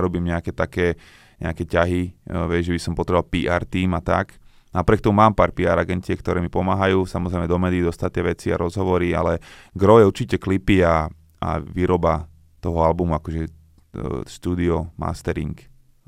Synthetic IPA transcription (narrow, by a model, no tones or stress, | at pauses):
ɾɔbiːmɲɛakɛt̪akɛː | ɲɛ̰akɛcaɦiʋɛɟʒɛbisɔmpɔt̪ɾɛbalpiːʔaːɾt̪iːmat̪ak | napɾɪɛkt̪ɔmumaːmpaːɾpiaːɾaɡɛntɪɛkt̪ɔɾɛːmipɔmaːɦajuːsamɔzɾɛɪmɛd̪ɔmɛːd̪iːd̪ɔst̪at̪ːɪɛʋɛt͡siaɾɔzɦɔʋɔɾia̰lɛɡɾɔjɛuɾt͡ʃicɛklipia | ʔa̰ʋiːɾɔba | t̪ɔɦɔalbumuakɔʒɛ | ʃt̪uːd̪iɔma̰st̪ɛɾḭŋk